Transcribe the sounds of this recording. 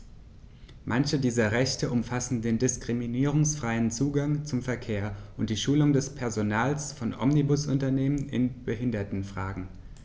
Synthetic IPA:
mʔançədiːzɐʁɛçtəʔʊmfasn̩deːndɪskʁ̥iminiːʁ̞ʊŋsfʁ̥aɪənt͡suːɡaŋt͡sʊmfɛɐkʰeːɐʔʊnt̚d̥iːʃuːlʊŋdɛspʰɛɐzonaːlsfɔnʔɔ̰mnibʊsʊntɐneːmənɪ̰nb̥əɦɪndɐtn̩fʁ̥aːɡŋ̩

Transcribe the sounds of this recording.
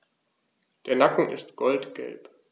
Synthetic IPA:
d̥eːɐnakŋ̩ʔɪ̰stɡ̥ɔltɡ̥ɛ̰lp

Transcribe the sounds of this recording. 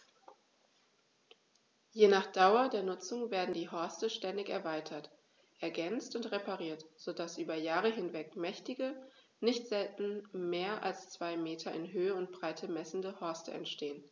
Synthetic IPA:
jeːnaːχd̥aʊɐdeːɐnʊt͡sʊŋveːɐdn̩diːɦɔɐstəʃtɛndɪçɛɐvaɪtʰɐt | ʔɛɐɡɛnt͡stʊntʁepaʁiːɐtz̥odasʔyːbɐjaːʁəɦɪnvɛkmɛçtɪɡə | nɪçtz̥ɛltn̩meːɐʔa̰lst͡sv̥aɪmeːtʰɐɪnɦøːəʊnt̚b̥ʁaɪtʰəmɛsn̩dəhɔɐstəɛ̰ntʃteːən

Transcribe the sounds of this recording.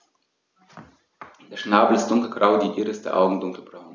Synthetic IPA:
d̥eːɐʃnaːbl̩ɪst̚d̥ʊŋkl̩ɡ̥ʁaʊdiːʔiːʁəɪstd̥ḛːɐʔaʊɡŋ̩dʊŋkl̩b̥ʁaʊn

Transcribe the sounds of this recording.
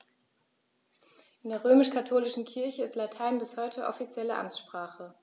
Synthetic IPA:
ʔɪndeːɐʁ̞øːmɪʃkʰatʰoːlɪʃn̩kʰɪɐçəɪstlatʰaɪnbɪshɔʏtʰəʔɔ̰fit͡sjɛləʔa̰mt͡ssʃpʁ̥aːχə

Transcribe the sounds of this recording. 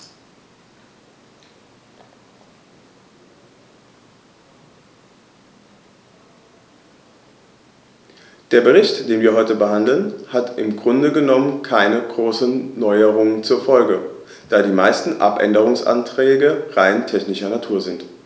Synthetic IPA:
d̥eːɐbəʁɪçtd̥eːnviːɐɦɔʏtəbəɦandl̩nhatʔɪmɡʁʊndəɡənɔmənkʰaɪnəɡʁoːsn̩ːɔʏəʁʊŋənt͡suːɐfɔlɡə | d̥aːdiːmaɪstn̩ʔa̰pʔɛ̰ndəʁ̞ʊŋsʔa̰ntʁ̥ɛːɡəʁaɪntʰɛçnɪʃɐnatʰuːɐzɪnt

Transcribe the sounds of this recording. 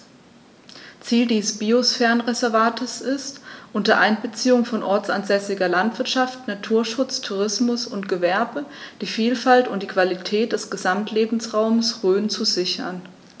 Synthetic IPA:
t͡siːldiːsb̥iːosfɛɐnʁɛzɛɐvaːtʰɪsɪstʔʊntɐʔaɪnbət͡siːʊŋfɔnʔɔɐt͡sa̰nzɛsɪɡɐlantv̥ɪɐtʃaftnatʰuːɐʃʊt͡stʰuʁɪsmʊsʊntɡ̥əvɛɐbəd̥iːfiːlfaltʊnt̚d̥iːkv̥alitʰɛːt̚d̥ɛsɡ̥əzamtʰleːbm̩sʁaʊməsʁøːnt͡suzɪçɐ̰n

